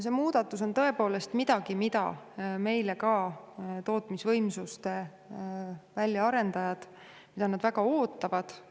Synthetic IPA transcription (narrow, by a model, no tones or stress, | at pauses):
se̞muːd̪̥ɑt̪ːˑus̬o̞nt̪ɤe̞po̞ːle̞st̪mid̪̥ɑɡimid̪ɑ̰me̞jlekɑːt̪o̞ːt̪ˑmisvɤjmsust̪e̞ | vælʲːjɑɑɾe̞nd̪ɑjɑd̪̥ | mid̪ɑnɑd̪̥vækɑoːt̪ːˑɑvɑd̪̥